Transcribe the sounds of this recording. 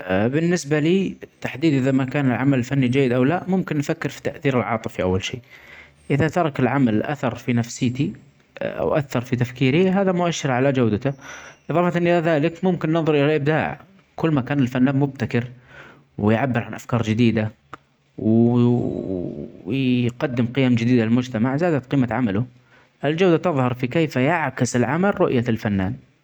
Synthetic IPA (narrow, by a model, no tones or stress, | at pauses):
bɪnːɪsbaliːt̪aħd̪iːd̪ʔɪðamakaːnɪlʕamalɪlfanːid͡ʒajːɪd̪ʔawlaʔmʊmkɪnːfakːɪɾfi̥t̪aʔθiːɾɪlʕɑ̰ːt̪ˤɨfiʔa̰wːalʃeː | ʔɪðat̪ɑɾˤɑkɪlʕamalʔa̰θɑɾˤfinafsɪːt̪i | ʔa̰wʔaθːɑɾˤfit̪afkiːɾiɦaːðamʊʔaʃːɪɾʕalad͡ʒawd̪at̪aʔɨðˤɑːfɑt̪ɪnʔɪlaðaːlɪkmʊmkɪnːɨnðˤʊɾˤʔɪlalʔɪb̚d̪a̰ːʕ | kʊlːmakaːnɪlfanːaːnmʊb̚t̪akɪɾ | wɪjʕabːɪɾʕanʔafkɑːɾˤd͡ʒɪd̪iːd̪a | w | qɑd̪ːɪmqɪjamd͡ʒɪd̪iːd̪alɪlmʊd͡ʒt̪amaʕzaːd̪at̪qiːmaʕamalʊ | ʔɪld͡ʒawd̪at̪ɑðˤhɑɾˤfikeːfjaʕkɪsɪlʕamalɾʊʔjalfanːa̰ːn